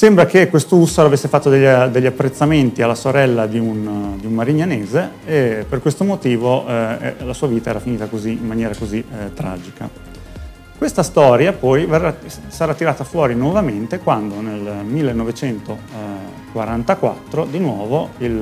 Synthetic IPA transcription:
sembɾakekːwest̪ousːaɾavesːefat̪ːod̪eʎːd̪eʎːiapːɾet̪sːament̪ialːasoɾɛlːad̪iund̪iummːaɾiɲːaneːzeːperkwest̪omot̪iːvoʔɛ̰lasuːaviːt̪aɛːɾafiniːt̪akoziimːanjɛːɾakozit̪ːɾa̰ːd͡ʒika | kwest̪ast̪ɔːɾjapɔjverːasaɾat̪ːiɾaːt̪afwɔːɾinwɔvament̪ekwand̪onelmilːenːɔvet͡ʃɛnt̪o | kwaɾant̪akwa̰t̪ːɾod̪inwɔːvoil

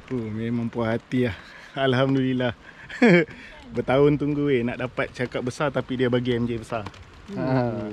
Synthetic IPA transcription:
umemãŋmpuaɦat̪iah | alɦamdulilah | bət̪aʊnt̪uŋɡuenaʔdapat̪̚t͡ʃakat̚bəsart̪apidiabaɡiamd͡ʒaibəsar

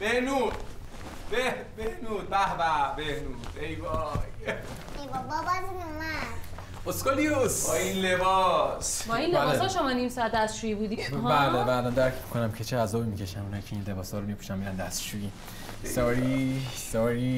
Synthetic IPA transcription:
b̥ehnud̪ | bebehnuːd̪̚bæhbæbehnud̪ejbɔj | ebɔbɒbazinuma | oskoliusbɔinlebɒsbɒinleleɔʃomɒnimsɒæt̪ːd̪æst͡ʃujibud̪iɦælebæːlɒːnd̪æɾkʰmi̥kʰonæmcʰet͡ʃʰeæzːɒːbimicʰeʃæmunhɒːjicʰeinle̞bɒːshɒːɾomipʰu̥ʃæmːiːɾænd̪æst̪ʃuiː | sɒːɾisɒːɾiː

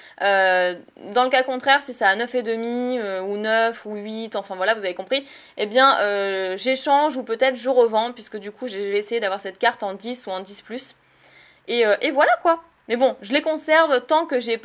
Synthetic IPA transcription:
ø | d̪ɑ̃ləkakɔ̃t̪χɛʁsisaːnœfed̪əmiøunœfuɥit̪ɑ̃fɛ̃vwalavuzavekɔ̃pχi | ebjɛ̃øʒeʃɑ̃ʒupøt̪ɛt̪χəʒəʁəvɑ̃pɥiskəd̪ykʰuʒʒəveːsejed̪avwaʁsɛt̪̚kaʁt̪ɑ̃d̪isuɑ̃d̪isplys | eøʔevwalakwa | mɛbɔ̃ʒəlekɔ̃sɛʁvt̪ɑ̃kəʒɛp

